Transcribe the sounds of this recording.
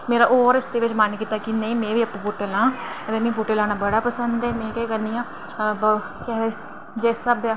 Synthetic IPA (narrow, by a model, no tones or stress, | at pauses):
meːɾaːʔoːɾɪsd̪eːʋɪt͡ʃmankiːt̪akinə̃ĩːmẽːʋiːəpːãpuːʈeːlãːət̪eːmẽːp̬uːʈeːlãːnaːbəɽaːpəsənd̪ɛːmɛ̃ːkɛkəɾniːãː | bə | kɛɦ | d͡ʒɛːsəbaː